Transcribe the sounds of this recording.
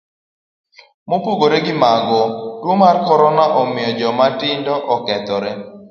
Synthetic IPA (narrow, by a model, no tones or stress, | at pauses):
mopuɡoɾeɡɪmaɡɔdwomarkɔɾɔnaʔɔmɪjɔd͡ʒɔmatɪndɔʔɔkɛt̪ɔɾɛ